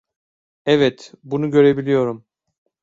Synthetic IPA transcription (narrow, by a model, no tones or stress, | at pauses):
ɛvɛt̪bunuɟø̞ɾe̞bilʲijo̞ɾum